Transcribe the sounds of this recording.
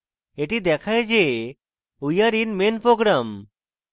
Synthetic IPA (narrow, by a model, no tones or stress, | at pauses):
eʈid̪ɛkʰajd͡ʒe | ujaɾinmenpɾoɡɾam